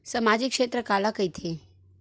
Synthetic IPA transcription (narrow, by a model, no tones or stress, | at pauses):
səmad͡ʒikʃeːt̪ɾəkalakəit̪ʰe